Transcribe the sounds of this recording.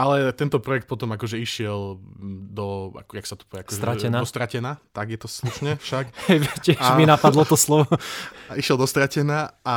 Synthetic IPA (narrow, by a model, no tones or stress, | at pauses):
alɛt̪ɛnt̪ɔpɾɔjɛk̚t̪pɔt̪ɔmakɔʒɛiʃɪɛld̪ɔa̰kjaksat̪u̥pɔakɔʒɛɾaɛnaɔst̪ɾacɛnaːt̪aɡjɛt̪ɔsluʃɲɛfʃakhɛjʋcɪɛaʒminapad̪lɔt̪ɔslɔʋɔaiʃɪɛlˠd̪ɔst̪ɾacɛnaːʔa